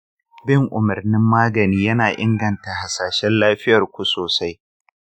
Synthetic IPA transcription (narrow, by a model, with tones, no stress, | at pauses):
bɪ˦ŋʔʊ˨mɐ˨rnɪ˦mːaː˦ɡɐ˨niː˦jɐ˦naː˨ʔɪ˦ŋɡɐ˨nta˨ha˨saː˨ʃɛ˦nlaː˦ɸɪ˦jɐ˨rkʷu˨soː˨sa˦j